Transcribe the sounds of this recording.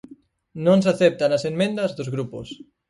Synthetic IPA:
nõnsaθɛp̚t̪anɐsemmẽnd̪ɐzðozɣɾupo̰s

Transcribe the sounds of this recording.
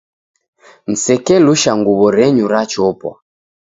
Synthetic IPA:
n̩sɛkɛluʃaŋɡuβɔɾɛɲuɾat͡ʃɔpɔ̰

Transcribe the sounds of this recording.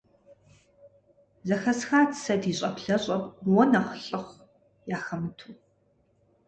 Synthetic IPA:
zɐxɐsxaːt͡sʰsɐdiːɕʼɐpɬɐɕʼɐpwɔnɐχɬʼɨχʷ | jaːxɐmɨtʰuː

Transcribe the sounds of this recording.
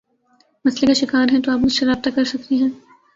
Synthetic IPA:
mɐslekaʃɪkaːɾɦɛ̃t̪oaːpmʊd͡ʒʃɐɾaːft̪akɐɾsɐkt̪iɦɛ̃ː

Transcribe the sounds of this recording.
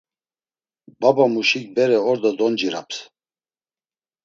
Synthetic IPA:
babamuʃikbɛɾɛɔɾd̪ɔd̪ɔnd͡ʒiɾa̰ps

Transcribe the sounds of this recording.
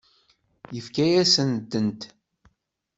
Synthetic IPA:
jəfkæjæsənd̪ənt̪

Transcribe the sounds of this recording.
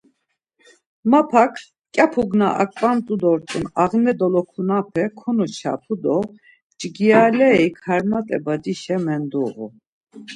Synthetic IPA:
mapʰakʰ | kʼapʰuɡnaʔakʼpʼamt̪ʼud̪ɔɾt̪ʼunaʁnɛd̪ɔlɔkʰunapʰɛkʰɔnɔt͡ʃʰa̰pʰud̪ɔ | t͡ʃʼɡialɛikʰaɾmat̪ʼɛbad̪iʃɛmɛnd̪uɣṵ

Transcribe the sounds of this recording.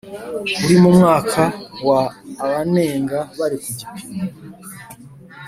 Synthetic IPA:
uɾimumŋaːkʰawaːβane̞ːŋɡaβaɾikuɟipʰina

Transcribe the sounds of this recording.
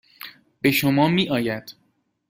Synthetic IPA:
b̥e̞ʃomɒːmiːʔɒːjæd̪̥

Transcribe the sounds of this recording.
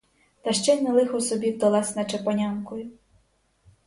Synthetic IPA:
t̪ɐʃt͡ʃɛnelˠɪxɔsɔbʲiwd̪ɐlˠɑsʲnɐt͡ʃepɔnʲɑnkɔjʊ

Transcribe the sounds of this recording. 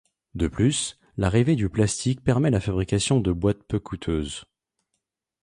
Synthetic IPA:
d̪əplys | laʁived̪yplast̪ik̚pɛʁmɛlafabʁikʲasjɔ̃d̪əbwat̪̚pøkut̪ʰøːz

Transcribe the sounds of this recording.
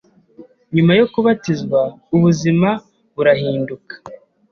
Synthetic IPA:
ɲumajo̞kuβatizɡwauβuzima | βuɾahiːndukḁ

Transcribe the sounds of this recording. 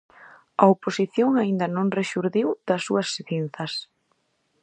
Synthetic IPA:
ɐoposiθjoŋaind̪ɐnõŋreʃuɾðiwð̥ɐsːuɐsːθin̟θɐs

